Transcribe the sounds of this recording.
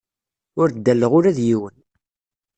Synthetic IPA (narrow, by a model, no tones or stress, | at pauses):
ʊɾd̪ːælːəʁʊɾæðjiwən